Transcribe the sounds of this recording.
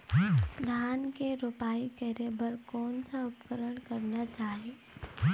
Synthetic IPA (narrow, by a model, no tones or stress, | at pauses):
d̪ʱjaːnkeɾopaːikɛɾebəɾkɔːnsaʊpkəɾəɽ̃kɐɾnat͡ʃaːɦie